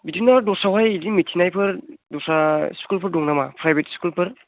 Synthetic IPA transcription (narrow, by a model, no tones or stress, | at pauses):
bitinaɾdɔsawajidimitʰinajpʰɯɾdɔsaskulpʰɯɾdɔŋnamapʰɾajbetskulpʰɯɾ